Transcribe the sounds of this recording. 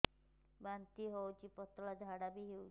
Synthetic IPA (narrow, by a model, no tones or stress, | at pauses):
bant̪iɦɔwt͡ʃʰipɔt̪ɔɭad̪ʱaɽabiɦewt͡ʃ